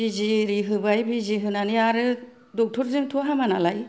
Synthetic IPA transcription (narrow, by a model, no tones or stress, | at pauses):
iziɾiɦɯbajbiziɦɯnaniaɾɯ | dɔk̚tʰɔɾzɯŋtʰuaɦamanalaj